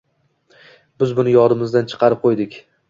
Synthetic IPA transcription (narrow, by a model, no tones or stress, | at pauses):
bɪzbʊnɪjɒɾɪmɪzd̪ant͡ʃʰɨ̥qʰɑɾɪp̚qʰojd̪ɪkʲ